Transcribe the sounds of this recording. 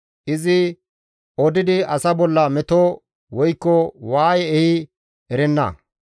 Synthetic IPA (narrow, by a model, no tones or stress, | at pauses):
ʔɪzɪ | ɔd̪ɪd̪ɪʔɐsɐbɔlːɐmɛt̪o | wɔjkːɔwaːjɛɛhɪ | ɛɾɛnːɐ̰